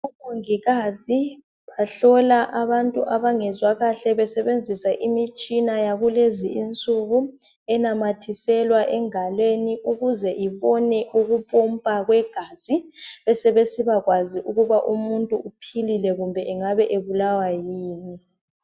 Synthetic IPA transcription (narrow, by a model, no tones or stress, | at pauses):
umoŋiɣazi | βaɬɔlaʔaβantʼuʔaβaŋɛzwaɣaɬɛβɛsɛβend͡zʱisaʔimit͡ʃʼinajaɣuleziint͡sʼuɣu | ɛnamatʰisɛlwaʔɛŋalweniʔuɣuzɛʔiβɔnɛʔuɣupʼɔmpʼaɣwɛɡ̥ʱaz̥iβɛsɛβesiβaɣwaziʔuɣuβaʔumuntʼuupʰililɛɣumbʱɛʔɛŋaβɛʔeβulawajiːni